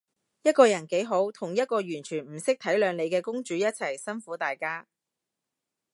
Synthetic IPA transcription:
jɐ˥t̚kɔː˧jɐ˨˩nke˨˥jɦo˨˥wt̪ʰʊ˨˩ŋjɐ˥t̚kɔː˧ɥyː˨˩nt͡ʃʰyː˨˩nm̩˨˩sɪ˥k̚t̪ʰɐ˨˥jlœː˨˧ŋle˨˧jkɛː˧kʊ˥ŋt͡ʃyː˨˥jɐ˥t̚t͡sʰɐ˨˩jsɐ˥nfuː˨˥t̪aː˨jkaː˥

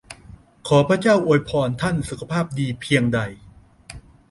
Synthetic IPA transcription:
kʰɔː˩˦pʰɾa˥t͡ɕaː˥˩wʔoː˧˩jpʰɔː˧nt̪ʰa˥˩nsu˨˩kʰa˧pʰaː˥˩p̚diː˧pʰi˧əŋda˧j

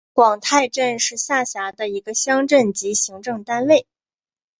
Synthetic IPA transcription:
kwɑ˨˩ŋt̪ʰa˥˧ɪʈ͡ʂə˥˧nʂɻ̩˥˧ɕja˥˩ɕja˧˥d̪ə˧i˧˥ɡə˧ɕjɑ˥ŋʈ͡ʂə˥˩nt͡ɕi˧˥ɕi˧˥ŋʈ͡ʂɤ˥˩ŋt̪a˥nle˥˩ɪ

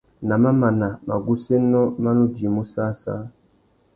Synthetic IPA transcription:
na˨ma˦ma˨na˨ma˨ɡu˦se˦nɔ˦ma˦nu˦di˨mu˦sa˦sa̰˦

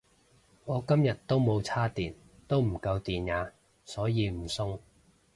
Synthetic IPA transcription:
ŋɔː˨˧kɐ˥mjɐ˨t̚t̪ːo˥wmo˨˧wt͡sʰaː˥t̪iː˨˩n | t̪o˥wm̩˨˩kɐ˧wt̪iː˨njaː˨˧ | sɔː˨˥jiː˨˧m̩˨˩sʊ˥ŋ

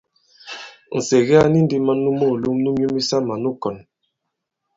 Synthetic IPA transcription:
n̩˨se˨ɣɛ˦a˦ni˦n̩˦di˦ma˦nu˦mo˦˨lu˦mnu˦mu˦mi˦sa˦ma˨nu˦kɔ˨n

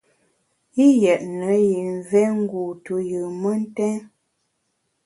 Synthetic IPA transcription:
i˦jɛ˨ʔnə˨˦ji˨ɱvɛ˦ŋ̩˦ɡu˨tu˨jɨ˨mə˦n̩˦tɛ˦n

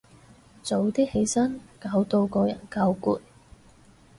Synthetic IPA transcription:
t͡so˨˧wt̪iː˥he˨˧˥jsɐ˥nkaː˨˧wt̪o˧wkɔː˧jɐ̰˨˩nkaː˧wkuː˧t̚

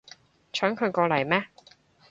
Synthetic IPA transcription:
t͡ʃʰœː˨˥ŋkʰɵ˨˧ɥkɔː˧lɐ˨˩jmɛː˦˥

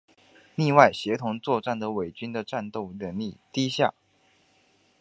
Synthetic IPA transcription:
ni˥˧wa˥˩ɪɕjɛ˧˥t̪ʰʊ˧˥ŋt͡swɔ˥˧ʈ͡ʂa˥˩nd̪ə˩we˨˩ɪt͡ɕy˥nd̪ə˨ʈ͡ʂa˥˧nt̪o˥˩ʊɻə˧˥nli˥˩t̪i˥ɕja̰˥˩

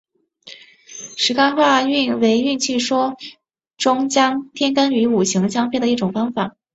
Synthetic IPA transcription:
ʂɻ̩˧˥ka˥nxwa˥˧y˥˩˧nwe˧˥ɪy˥˧nt͡ɕʰy˥˩ʂwɔ˥ | ʈ͡ʂʊ˥ŋt͡ɕjɑ˥ŋt̪ʰjɛ˥nka˥ny˧˥u˨˩ɕi˧˥ŋt͡ɕjɑ˥ŋfe˥˩ɪd̪ə˩˧i˥˩ʈ͡ʂʊ˨˩ŋfɑ˥ŋfa˨˩˦

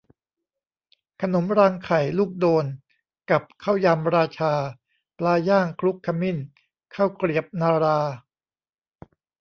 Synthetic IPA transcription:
kʰa˧no˩˦mɾaː˧ŋkʰa˨˩jluː˥˩k̚doː˧n | ka˨˩p̚kʰa˥˩wja˧mɾaː˧t͡ɕʰaː˧ | plaː˧jaː˥˩ŋkʰɾu˦˥kʰːa˧mi˥˩n | kʰa˥˩wkɾi˨˩əp̚naː˧ɾaː˧

